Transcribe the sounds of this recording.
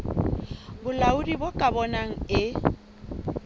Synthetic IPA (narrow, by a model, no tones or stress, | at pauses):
bʊlaʊdibʊkʼabɔnaŋ̩ɪ